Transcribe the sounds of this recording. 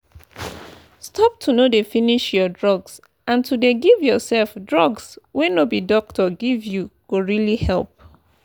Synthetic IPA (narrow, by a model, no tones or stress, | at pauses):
stʰɔp̚tʰunodefiniʃjɔdɹɔɡs | ãntʰudeɡivjɔsɛlfdɹɔɡswenobidɔk̚tʰɔɡivjuɡ̥oɹilihɛlp̚